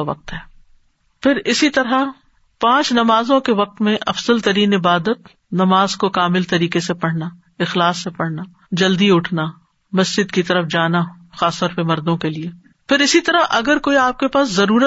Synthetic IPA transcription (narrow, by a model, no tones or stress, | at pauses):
ʋɐ̰q̚t̪ɦɛː | pʰɪɾɪsit̪ɐɾa | pãːt͡ʃnɐmaːzõkeʋɐq̚t̪mẽʔɐfz̥əlt̪ɐɾiːnɪbaːd̪ət̪ | nɐmaːzkokaːmɪlt̪ɐɾiːkesepɐɽ̤na | ɪxlaːsːepɐɽ̤na | d͡ʒɐld̪iʊʈʰna | mɐsd͡ʒɪd̪kit̪ɐɾəfd͡ʒaːna | xaːst̪ɔːɾpemɐɾd̪õkelie | pɪɾɪsit̪ɐɾaʔɐɡəɾkoːiaːp̚kepaːszɐɾuːɾə